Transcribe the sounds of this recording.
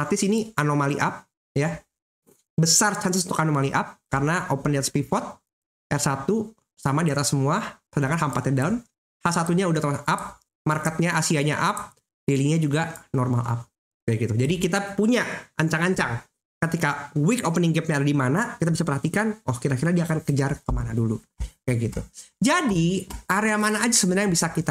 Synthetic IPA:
art̪ɪsinianomaliʔap̚ | ja | bəsart͡ʃansəsunt̪ukanomaliʔap̚karənaʔopənɛt̪spifɔt̪̚ | ʔɛrsat̪u | samadiat̪asːəmuasədaŋkanɦampat̪ɛndaʊn | hasat̪uɲaudaht̪əlahap̚ | markət̪̚ɲaasiaɲa̰ʔap̚ | diliŋɲad͡ʒuɡanɔrma̰lʔa̰p̚ | kajɡit̪ud͡ʒadikit̪apuɲaaɲt͡ʃaŋaɲt͡ʃaŋ | kət̪ikawikopəniŋɡɛp̚ɲaːdadimanakit̪abisapərɦat̪ikanwʔɔhkirnakirnadiaːkankəd͡ʒarkəmanadulu | jaɡit̪ud͡ʒadiaɾeamanaːd͡ʒasəbənnɾjaŋbisakit̪a

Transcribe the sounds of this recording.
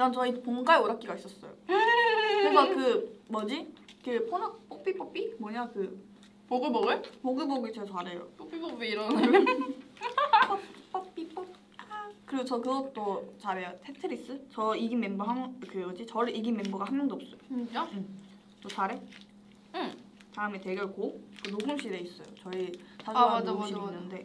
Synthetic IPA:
ɾant͡ɕʰʌipoŋɡaeoɾak͈iɡais͈ʌs͈ʌjo̰ | ɯkakɯmʌd͡ʑikɯpʰonɯkp͈op͈ip͈op͈imʌɲakɯ | poɡɯboɡɯpoɡɯboɡit͡ɕʰet͡ɕaɾejo̰p͈op͈ipopiiɾʌn | p͈ʌp͈ʌp͈ːip͈ʌp̚ | kɯɾot͡ɕʰʌkɯɡʌt͈ot͡ɕaɾejotʰetʰɯɾis͈ɯt͡ɕʌiɡimembuɦamkʰeʌd͡ʑit͡ɕʌɭʔiɡimːembuɡahamjʌnd̪oːp̚s͈ʌjod͡ʑa | t͈ot͡ɕaɾe̞ | taɯmeteɡeɭkok͈ɯnoɡɯmɕ͈ʰiɾe̞is͈ʌjot͡ɕʌisʰad͡ʑaaaɕiinːɯnde̞

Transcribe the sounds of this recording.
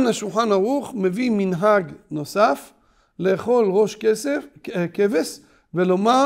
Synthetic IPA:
naʃulχanaʁuχme̞viminɦaɡno̞saf | leːχo̞lʁo̞ʃ | keves | veloma

